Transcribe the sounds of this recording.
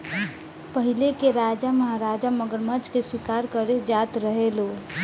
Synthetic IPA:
pəɦilekeɾad͡ʒaməɦaɾad͡ʒaməɡəɾməd͡ʒkeswikaɾkəɾed͡ʒat̪ɾəɦeloː

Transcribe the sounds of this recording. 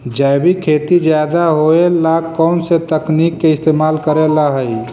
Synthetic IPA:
d͡ʒajbʱikʰeːt̪id͡ʒjaːd̪aɦoelakːɔːnset̪əknikːeɪst̪eːmaːlkəɾelaɦəi

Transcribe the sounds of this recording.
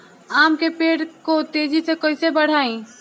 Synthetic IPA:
aːmkepeːɽkot̪eːd͡ʒisekoisebɐɽ̤aːĩː

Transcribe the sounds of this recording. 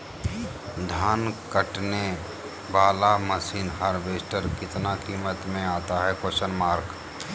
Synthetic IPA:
d̪ʱaːnkəʈne | ʋaːlaməsiːnɦəɾʋeːsʈəɾkɪt̪nakiːmət̪mẽaːt̪aɦɛkwəʃənmaːɾk

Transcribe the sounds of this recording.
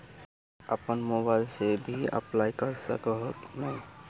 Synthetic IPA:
əpənmobajlsebʱiə̰plajkʌɾsə̰kɔɦɔknaj

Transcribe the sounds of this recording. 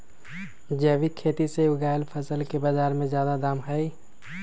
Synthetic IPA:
d͡ʒɛːʋikʰeːt̪iseʊɡaːjəlpʰəsəlkebazaːɾmẽzjaːd̪ad̪aːmɦɛi

